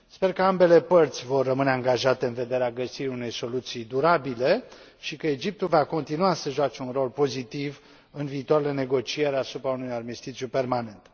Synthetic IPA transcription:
spe̞rkəambe̞le̞pərt̪sʲvo̞rːəmɨne̞aŋɡaʒat̪e̞ɨnve̞d̪e̞ɾeaɡəsiɾiune̞jso̞lut̪sijd̪uɾabile̞ | ʃikəe̞d͡ʒip̚t̪ulvako̞nt̪inuasəʒat͡ʃe̞unro̞lpo̞zit̪iv | ɨnviːt̪oaɾele̞ne̞ɡo̞t͡ʃije̞ɾasupɾaunujad̪mist̪it̪t͡ʃ̪ʲjupe̞rmane̞nt̪

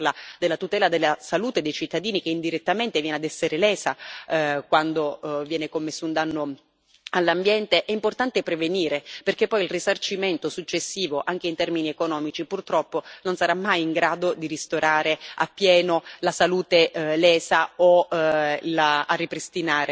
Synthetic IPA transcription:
lad̪elːat̪ut̪ɛːlad̪elːasaluːt̪ed̪ejt͡ʃit̪ːad̪iːnikeind̪iɾet̪ːament̪evjɛːnead̪ɛsːeɾelɛːsa | kwand̪ovjɛːnekomːesːound̪anːo | alːambjɛnt̪eʔɛimport̪ant̪epɾeveniːɾeperk̟epːɔjilrisart͡ʃiment̪osut͡ʃːesːiːvoʔaŋk̟eint̪ɛrminiekonɔːmit͡ʃipurt̪ɾɔpːononsaɾamːajiŋɡɾaːd̪od̪iɾist̪oɾaːɾea̰pːjɛːnolasaluːt̪elɛːsao | laarːipɾist̪inaːɾe

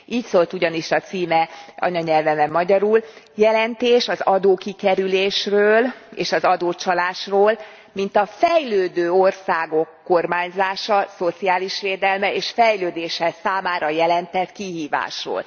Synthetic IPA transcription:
ʔiːcsolt̪uɟɒniʃɒt̪siːmɛɒ̰ɲɒɲɛlvɛmɛmːɒɟɒɾul | jɛlɛnt̪eːʃɒzɒd̪oːkikɛɾyleːʃrøːlḛːʃɒzɒd̪oːt͡ʃɒlaːʃroːl | mint̪ɒfɛjløːd̪øːo̞rsaːɡo̞kːo̞rmaːɲzaːʃɒso̞t̪siaːliʃʋeːd̪ɛlmɛeːʃfɛjløːd̪eːʃɛsaːmaːɾɒjɛlɛnt̪ɛt̪kiɦiːva̰ːʃro̰ːl

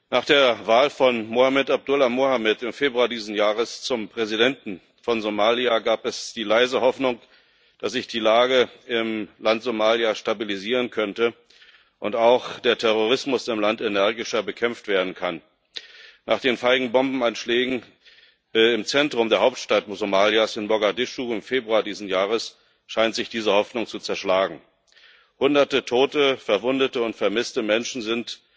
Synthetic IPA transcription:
naːχd̥eːɐvaːlfɔnmohamɪtab̚dʊlamohamɪtɪmfeːbʁuadiːzn̩jaːʁəst͡sʊmpʁ̥ɛzidɛntn̩ | fɔnzomaːliaɡaːpɛsd̥iːlaɪzəhɔfnʊŋ | d̥asz̥ɪçd̥iːlaːɡəɪmlantz̥omaːliaʃtabiliziːʁ̞ənkʰœntə | ʔʊntaʊχd̥eːɐtʰɛʁoʁ̞ɪsmʊsɪmlantenɛɐɡɪʃɐbəkʰɛmftv̥eːɐdn̩kʰan | naːχd̥eːnfaɪɡŋ̩bɔmbm̩anʃlɛːɡŋ̩ | ɪmt͡sɛntʁ̥ʊmdeːɐɦaʊp̚tʃtatmzomaːljasɪnmɔɡadɪʃuɪmfeːbʁuaːdiːzn̩jaːʁ̞əs | ʃaɪntz̥ɪçd̥iːzəhɔfnʊŋt͡sut͡sɛɐʃlaːɡŋ̩ | hʊndɐtətʰoːtəfɛɐvʊndətəʊntfɛɐmɪstəmɛnʃn̩zɪnt

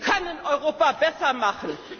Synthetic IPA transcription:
kʰanənʔɔʏʁoːpabɛsɐmaχn̩

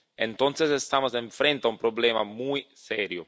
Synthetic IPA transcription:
ent̪ont̪sesest̪aːmoseɱfɾent̪aumpɾoblɛːma̰muj | sɛːɾju

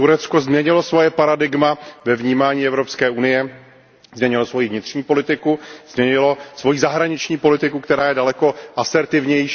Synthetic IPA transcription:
t̪uɾɛt̪t͡sko̞zmɲɛɲɪlo̞svo̞jɛpaɾadɪɡmavɛvɲiːmaːɲiːɛvɾo̞pskɛːʔunɪjɛ | zmɲɛɲɪlosvo̞jivɲɪt̪r̝ɲiːpo̞lɪt̪ɪkuz̥mɲɛɲɪlo̞svo̞jizaɦɾaɲɪt͡ʃɲiːpo̞lɪt̪ɪkukt̪ɛɾaːjɛdalɛko̞ʔasɛɾt̪ɪvɲɛj

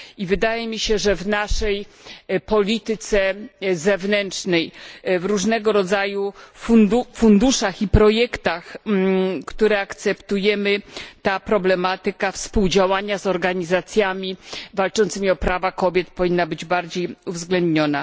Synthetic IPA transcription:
ivɘd̪ajɛmʲiɕɛʐɛvnaʂɛjpɔlʲit̪ɘt̪sɛzɛvnɛntt͡ʂnɛjvɾuʐnɛɡɔɾɔd̪zajufund̪ufund̪uʂaxipɾɔjɛkt̪ax | kt̪uɾɛakt̪sɛpt̪ujɛmɘt̪apɾɔblɛmat̪ɘkafspuwd͡ʑawaɲazɔɾɡaɲizat̪sʲjamʲivalt͡ʂɔnt̪sɘmʲiɔpɾavakɔbʲjɛt̪pɔvʲinːabɘd͡ʑbaɾd͡ʑejuvzɡlɛnd̪ɲɔna

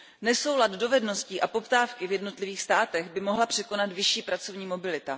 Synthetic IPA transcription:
nɛso̞wlad̪do̞vɛdno̞sciːʔapo̞pt̪aːfkɪvjɛdno̞t̪lɪviːxst̪aːt̪ɛɣbɪmo̞ɦlapr̥ɛko̞nat̪vɪʃiːpɾat͡so̞vɲiːmo̞bɪlɪt̪a

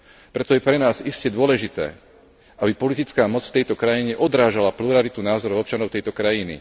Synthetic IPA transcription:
pɾɛt̪ɔjɛpɾɛnaːziscɛd̪ʊɔlɛʒit̪ɛ̰ː | abipɔlit̪it͡skaːmɔt͡sft̪ɛjt̪ɔkɾajiɲɛʔɔd̪ɾaːʒalapluɾalit̪unaːzɔɾɔʊɔp̚t͡ʃanɔʊt̪ɛjt̪ɔkɾajinḭ

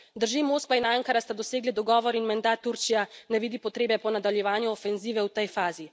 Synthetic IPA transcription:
d̪əɾʒimoːskʋainaŋkaɾast̪ad̪ɔseːɡlid̪ɔɡɔːʋɔɾinmɛnd̪at̪ːuɾt͡ʃijanɛʋiːd̪ipɔt̪ɾeːbɛpɔnad̪aljɛʋaːnjuɔfɛnziːʋɛwt̪ɛjfaːzi

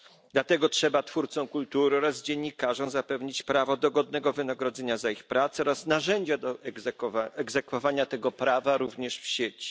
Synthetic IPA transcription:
d̪lat̪ɛɡɔtʂɛbat̪fuɾt̪sɔ̃w̃kult̪uɾɘɔɾazd͡ʑeɲːikaʐɔ̃w̃zapɛvɲit͡ɕpɾavɔd̪ɔɡɔd̪̚nɛɡɔvɘnaɡɾɔd̪zɛɲazaixpɾat̪sɛɔɾasnaʐɛɲd͡ʑad̪ɔ | ɛɡzɛkfɔvaɲat̪ɛɡɔpɾavaɾuvɲɛʂfɕet͡ɕi̥

